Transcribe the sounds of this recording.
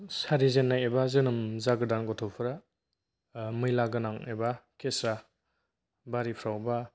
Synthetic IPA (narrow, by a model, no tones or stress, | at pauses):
saɾizenːajebazɯnɯmzaɡɯdanɡɔtʰɔpʰɯɾa | mɯjlaɡɯnaŋebakʰesa | baɾipʰɾawba